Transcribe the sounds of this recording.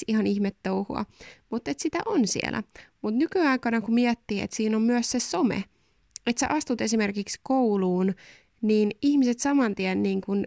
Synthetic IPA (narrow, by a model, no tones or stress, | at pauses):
ihɑniçmet̪ːowhṵɑ̰mut̪ːet̪sit̪æ̰ʔonsḭḛlæ̰mut̪nykyɑikɑnɑkumiɛt̪ːiːḛt̪siːnommyøssesomḛ | et̪seʔɑst̪ut̪e̞simerkikskouluːn | niːniçmiset̪sɑmɑnt̪iænːiːŋkun